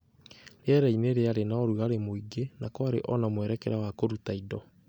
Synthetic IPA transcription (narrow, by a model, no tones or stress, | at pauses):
ɾeɛɾaineɾeaɾenaɔɾuaɾemoiɡenakɔaɾḛʔɔnamwɛɾɛkɛɾawakoɾutaidɔ